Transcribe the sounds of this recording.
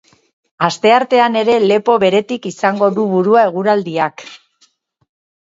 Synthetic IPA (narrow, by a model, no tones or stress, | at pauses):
ast̪e̞aɾt̪e̞ane̞ɾe̞le̞po̞βe̞ɾe̞t̪ikisaŋɡo̞ðuβuɾuae̞ɣ̞uɾald̪iak